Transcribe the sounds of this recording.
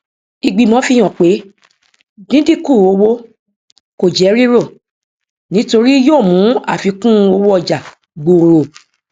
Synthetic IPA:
i˧ɡ͡bi˧˨mɔ̃˨˦fi˧j̃ɔ̃˨k͡pe˨˦ | nĩ˦di˦kũ˦˨o˧˦wo˦ | ko˨d͡ʒɛ˨˦ɾi˦ɾo˦˨ | nĩ˨˦to˧ɾi˦joː˦˨mũ˨˦a̰˦˨fi˨˧kũ˦˧o˧wo˦ɔ˧˨d͡ʒa˨ | ɡ͡bo˨ɾo˨

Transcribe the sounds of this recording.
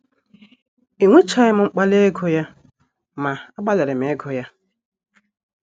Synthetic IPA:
i˨ŋʷe˦t͡ʃa˨˦ɪ˦m̩˨ŋ͡m̩˦k͡pa˦le˦e˦ɡo˦ja˦ | ma˨a˦ɡ͡ba˦le˨ɾɪ˨m̩˨e˨˦ɡo˦ja˦

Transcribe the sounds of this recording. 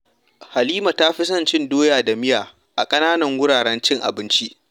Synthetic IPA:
ha˨liː˦ma˨ta˦ɸi˦s̬ɐ˦nt͡ʃɪ˦ndoː˦jaː˨da˨mɪ˦jaː˨ | ʔa˨kʼɐ˦naː˦nɐ˨ŋwʊ˦ɽaː˨ɽɛ˦nt͡ʃɪ˦ŋʔa̰˨bɪ˦nt͡ʃi˦ʔ

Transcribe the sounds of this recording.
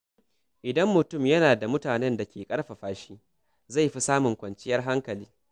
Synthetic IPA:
ʔɪ˨dɐ˦mːʊ˨tʊ˦˨mjɐ˦naː˨da˨mʊ˦taː˨nɛ˦nda˨kʲeː˨kʼɐ˦ɽɸa˨ɸaː˦ʃiː˦ | za˦˨jɸi˦saː˦mʊ˨ŋkʷɐ˨nt͡ʃʼɪ˦jɐ˦rɦa˦ŋkɐ˨liː˦

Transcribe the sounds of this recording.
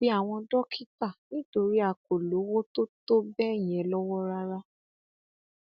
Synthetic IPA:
i˦a˦˨w̃ɔ̃˧dɔ˦kʰi˦ta˦˨nĩ˦to˧ɾi˦a˦˨k̚o˨lo˨˦wo˦to˦to˦bɛ˦˨j̃ɛ˨˦lɔ˦wɔ˦ɾa˦ɾa˧

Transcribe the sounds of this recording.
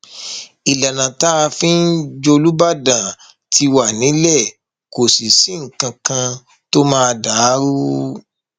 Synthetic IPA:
i˨la˨nã˨ta˦˧fĩ˦n̩˦d͡ʒo˧lu˦ba˦˨dã˨ | tʰi˧wa˨nĩ˨˦lɛ˦˨ | ko˨si˨si˨˦ŋ̩˨kã˧kã˧ | to˦mãː˦a˧da˨˦ɾu˦

